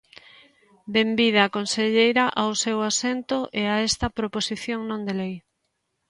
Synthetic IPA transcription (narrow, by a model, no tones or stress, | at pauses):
d̪embið̞aːkonseʎejɾaʔawsewasent̪oʔeaest̪ɐpɾoposiθjõŋnõnd̪elej